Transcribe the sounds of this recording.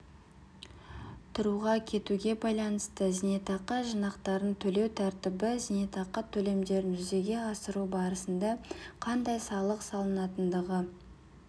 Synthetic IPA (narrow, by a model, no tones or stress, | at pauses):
t̪ʰʊɾuʁɑkʲʰe̞t̪uɡʲe̞bɑjlˠɑnəst̪əzinet̪ɑqːɑʒənɑqt̪ɑɾənt̪ʰɵle̞wt̪ʰæɾt̪ɪbɪzinet̪ɑqːɑt̪ʰɵle̞md̪e̞ɾɪnʒʏze̞ɡʲe̞ɑsəɾubɑɾəsənd̪ɑqʰɑnd̪ɑjsɑlˠəqsɑlˠənɑt̪ənd̪əʁə